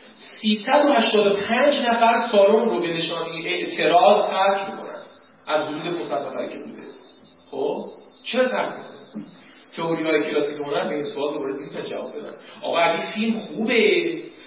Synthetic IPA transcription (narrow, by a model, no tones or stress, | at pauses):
siːsæd̪ohæʃt̪ɒːd̪o̞pʰænd͡ʒnæfæɾsɒːɾomrobe̞ne̞ʃɒːnejeʔeʔt̪ʰe̞ɾɒːzhʰæɾcʰbikʰo̰næ̰n | ʔæzdouːd̪epʰosæd̪næfæ̰ɾcʰebṵd̪ḛ | χob | t͡ʃʰeɾt̪ʰæ̰ɾmḛkʰon | t̪ʰe̞oɾihɒːjecʰelɒːsikekonænbeinsoɒːt̪̚d̪obɒːɾefilpʰænd͡ʒæ̰vɒ̰ːb̚be̞d̪æ̰nʔɒ̰ːɣɒæɡifilmχuːbe